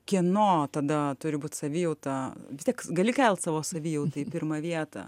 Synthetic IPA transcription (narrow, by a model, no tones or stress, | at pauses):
kʲiɛnoːt̪ɐd̪ɐt̪ʊɾʲɪbuːt̪ʲsɐʋʲiːjɛʊt̪ɐʋʲɪsʲtʲiɛkɡɐlʲɪkʲɛlʲˠt̪sɑːʋoːsɐʋʲiːjɛʊt̪ɐipʲɪrmɐʋʲiɛt̪ɐ̰